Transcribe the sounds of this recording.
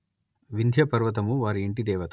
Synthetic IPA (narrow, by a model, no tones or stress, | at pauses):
ʋind̪ʱjɐpɐɾʋɐt̪̬ɐmuʋaːɾiːɳʈid̪ɛːʋɐt̪ɐ